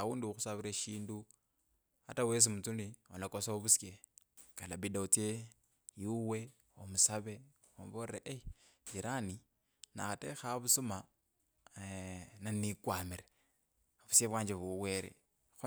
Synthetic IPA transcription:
awuːndiuxusaβiɾaʃiːndu | a̰tawes̬imut͡sulionakosaoβusjekalabidaut͡se | juwe̞ | omusaβe | omβoeʔejiɾani | na̰xatexaβusuma | nanikwamiɾe | βusjeβwaːɲd͡ʒeβuwe̞ɾḛ | x

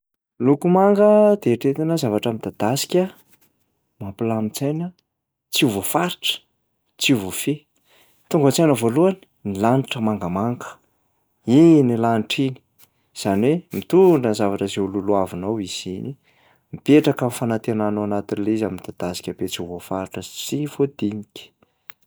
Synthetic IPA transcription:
lukumaŋɡəd̪̥eʈ͡ʂet̪inəzavaʈ͡ʂəmid̪̥ad̪̥asi̥kʲə | mampilamit͡sajnə | t͡siuvofaɾiʈ͡ʂə̥ | t͡siuvofe | t̪uŋɡət͡sanəvoluani̥ | nilaniʈ͡ʂəmaŋɡəmaŋɡə̥ | inilaniʈ͡ʂini̥ | z̥aniwemit̪uɳɖ͡ʐənzavaʈ͡ʂəzeululuavinowiz̥ini | mipeʈ͡ʂakamifanat̪enanoanat̪inleizamimid̪̥ad̪̥asi̥kʲəbet͡siuvofaɾiʈ͡ʂət͡sivod̪inikʲi̥

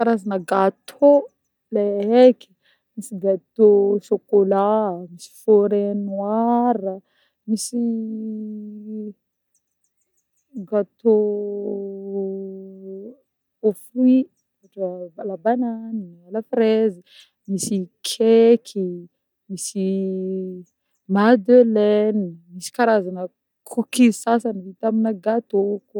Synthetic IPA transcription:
faɾazanəɡat̪ʰo | leɦeki̥ | misiɡat̪osokolamisi̥foɾenwaɾə | misi | ɡat̪o | ofi | aʈ͡ʂəbalabananialafɾezi | misikʰekʰi | misi | mad̪ølenimisi̥kaɾazanə | kʰukisasanəvit̪aminəɡat̪ok

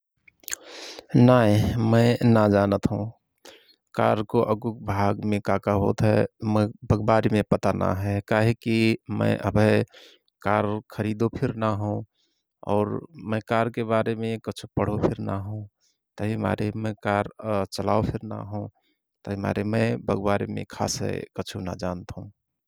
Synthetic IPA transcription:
naːɦĩmə̃ɪnad͡ʒaːnət̪ɦũ | ka̰ːɾkoʔəɡuk̚bʱaːɡmẽkaːkaɦo̰ːt̪ɦɛmə̃bʱəɡbaːɾimẽpət̪ana̰ɦɛkaːɦekimə̰̃ʔəbʱe | kaːɾkʰəɾiːd̪opʰɪɾnaɦũ | ɔ̰ːɾmə̃kaːɾkebaːɾemẽkət͡ʃʰupəɽ̤opʰɪɾnaɦũ | t̪əɦima̰ːɾemɛ̃kaːɾt͡ʃəlaopʰɪɾna̰ɦũ | t̪əɦima̰ːɾemə̃bʱəɡbaːɾimḛ̃kʰa̰ːsɦḛkət͡ʃʰuna̰d͡ʒaːnt̪ɦũ

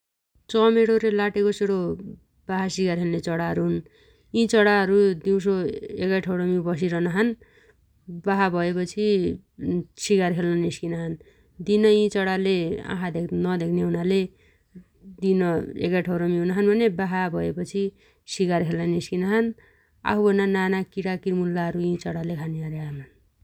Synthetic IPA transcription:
t͡sʌmeɽoɾelaʈekoseɽo | baɦasikarɦenlet͡sʌɽaɦʌɾuɦun | ĩt͡sʌɽaɦʌɾud̪iw̃s̬oekajʈʰʌwɽʌmibʌs̬iɾʌnaɦʌn | baɦabʱʌepʌt͡sʰi | sikarɦʰelnʌniskinaɦʌn | d̪inʌĩt͡sʌɽaleã̰kʰad̪eknʌd̪ekʰneɦunale | d̪inʌḛkaʈʰʌwɾʌmĩɦunaɦʌnbʱʌnebaɦabʱʌepʌt͡sʰi | sikarkʰelnʌniskinaɦʌn | a̰ɦubʱʌnːananakiɽakirmulːaɦʌɾuĩt͡sʌɽalekʰaniaɾeanʌn

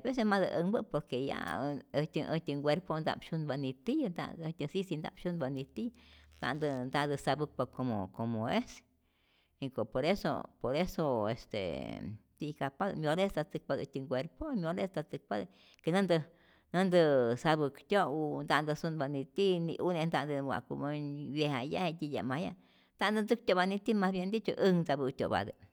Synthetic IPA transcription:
bes̬esmad̪ɨʔəmbɨpoɾkeja̰ət̪ʲəʔət̪ʲəŋɡʷeɾpond̪a̰bʃunbanit̪ijnd̪a̰t̪ʲəsisind̪a̰bʃunbanit̪id̪a̰ʔnd̪ɨnd̪ad̪ɨsabɨk̚pakomo̰komoes | iŋkopoɾeso̰poɾesoḛst̪ḛt̪ikapad̪̰mʲõlest̪at͡sɨk̚pad̪ɨt̪iŋɡʷeɾpomjõlest̪at͡sɨk̚pad̪ | kenɨ̃nd̪ɨ | nɨ̃nd̪ɨsaβɨkt̪ʲound̪and̪ɨsunbanĩt̪inḭ̃ʔunẽnd̪and̪ɨwʷa̰kṵmãβjehajahet̪ija̰mãja | nd̪and̪ɨnd͡zɨk̚t̪ʲoβanĩt̪imãβjend̪it͡ʃoʔɨŋnd͡zaβɨt̪ʲo̰βa̰d̪ɨ̰

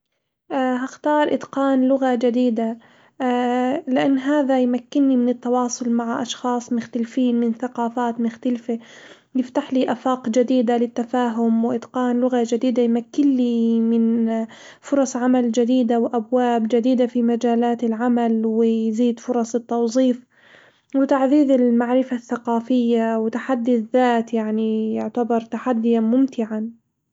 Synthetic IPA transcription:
ʔɦaxt̪ɑːɾˤʔɪ̰d̪qɑːnlʊɣad͡ʒɪd̪iːd̪a | lɪʔanːɦaːðajmakːɪnːimɪnɪt̪ːɑwɑːsˤʊlmaʕaʔɑʃxɑːsˤmʊxt̪alfiːnmɪnθaqɑːfaːt̪mʊxt̪alfɪ | jɪft̪aħliʔafaːqd͡ʒad̪iːd̪alɪt̪ːafaːɦʊmwʔɪd̪qɑːnlʊɣad͡ʒɪd̪iːd̪ajmakːɪnlimɪn | fʊɾˤɑsˤʕamald͡ʒɪd̪iːd̪awʔabwaːbd͡ʒad̪iːd̪afimad͡ʒaːlaːt̪ɪlʕamalwɪjziːd̪fʊɾˤɑsˤɪt̪ːɑwzˤiːf | wɪt̪aʕðiːðɪlmaʕɾɪfaθːaqɑːfɪjːawɪt̪aħad̪ːiðːaːt̪jaʕnijʊʕt̪abɑɾˤt̪aħad̪ːɪjamʊmt̪ɪʕa

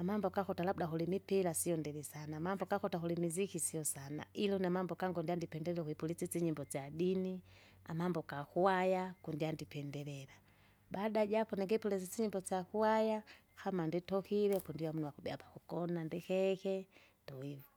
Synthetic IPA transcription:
amambɔkakɔtalabudaɦulimipilasijɔndɛlisanamambɔkakɔtakulimizikisiɔsana̰ilɔnamambɔkaŋɡɔndiandipɛndɛlɛɛkuipulisit͡siɲimbɔt͡sadini | a̰mambɔkakuwajakundiandipɛndɛlɛla | badaɟapɔnɛŋɡɛipulɛsisiɲimbɔsakuwaja | hamanditɔkilɛkundiwamunuwakubɛapakukɔnandikɛkɛ | tɔivɔ

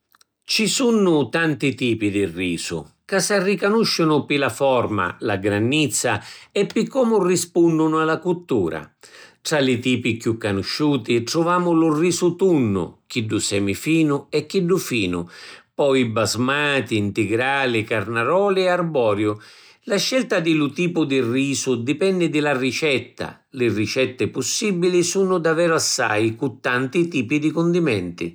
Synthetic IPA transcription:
t͡ʃisunːʊt̪ant̪it̪iːpid̪irːiːsʊ̰ | kasarːikanuʃːʊnʊpilafɔrma̰laɡɾanːit̪sːaɛpːikːɔmʊrispunːʊnʊalakut̪ːuːɾa̰t̪ɾalɪt̪iːpikjukːanʊʃːuːt̪iʈɾuvaːmʊlʊrːiːsʊt̪unːʊ̰k̟iɖːʊsɛmifiːnʊɛkːiɖːʊfiːnʊ̰pɔjbazmaːt̪iːnt̪ɪɡɾaːlɪkarnaɾɔːlɪɛarbɔːɾjʊ | laʃːɛlt̪ad̪ɪlʊt̪iːpʊd̪iriːsʊd̪ipɛnːɪd̪ɪlarit͡ʃɛt̪ːa̰ | lɪrit͡ʃɛt̪ːɪpʊsːibilisuːnʊd̪avɛːɾʊasːa̰jkut̪ːant̪it̪iːpid̪ikʊnd̪imɛnt̪ḭ

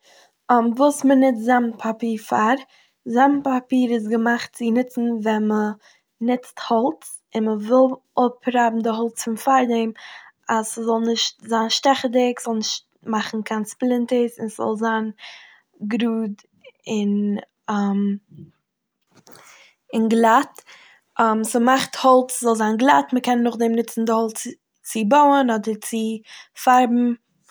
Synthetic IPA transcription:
ɔmvuːsmənɪt͡szampʰapiːɾfaɾ | zampapiːɾɪs̬ɡəmaχt̚t͡sɪnɪt͡sn̩vɛnmə | nɪt͡sthɔlˠt͡s | ɪnməvɪlˠ | ʊpʰɾabm̩dɪɦɔlˠt͡sfɪnfaɾdɛm | asəzɔlˠnɪʃtzaːnʃtɛχədɪkz̥ɔlˠnɪʃt | maχn̩kʰansplˠɪntəsɪnszɔ̰lˠzaːn | ɡɾuːd | ɪn | am | ɪnɡlˠat | amsəmaχthɔlˠt͡szɔlˠzaːnɡlˠatməkɛnːʊχdɛmnɪt͡sn̩dɪhɔlˠt͡s | t͡sɪboʊənɔdəɾt͡sɪfaɾbm̩

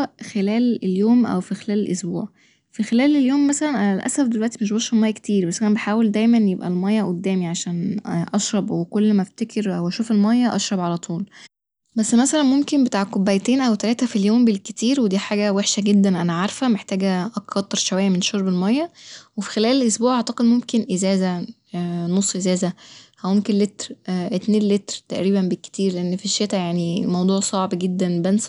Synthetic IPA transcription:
ʔxelæːleljoːmʔæ̰wfixelæːlelʔosbuːʕ | fixelæːleljoːmːæsælænʔæælʔæ̰sæfd̪elwæʔt̪imeʃbɑʃelmɑjːɑkt̪iːɾbæsːʔænæbeħaːweld̪æjmænjebʔæ̰lmɑjːɑʔod̪ːæːmiʕaʃæːnʔɑʃɾˤɑbwekolːmæft̪ekʰeɾʔæwʔæʃuːfelmɑjːɑʔɑʃɾˤɑbʕalæt̪ˤʰuːl | bæsːmæsælænmomkembet̪aːʕkobːæjt̪eːnʔæwt̪ælæːt̪æfiljoːmbelket̪iːɾwed̪iːħaːɡæweħʃæɡed̪ːænʔænæʕaɾˤfæmeħt̪æːɡæʔɑkʰːɑt̪ˤːeɾˤʃowæjːæmenʃoɾˤbelmɑjːɑwefi̥xelæːlelʔosbuːʕʔaʕt̪ɑqed̪momkenʔezæːzæ | nosˤːʔezæːzæhæmomkenlet̪ɾʔet̪neːnlet̪ɾt̪æʔɾiːbæmbekːe̥t̪iːɾleʔenːfiʃːet̪æjaʕnḭmɑwd̪ˤuːʕsˤɑʕbɡed̪ːænbæns

